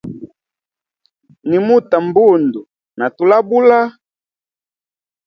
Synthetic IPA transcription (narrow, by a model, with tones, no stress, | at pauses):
ni˨mu˦ta˨m˦bu˦˨ndu˨ | na˨tu˨la˦bu˦la˦